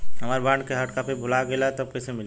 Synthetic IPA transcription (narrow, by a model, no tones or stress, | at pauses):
ɦɐmaːɾbãːɳɖkeɦəʈkapebʱʊlaɡelaɛt̪ob̚kesemɪl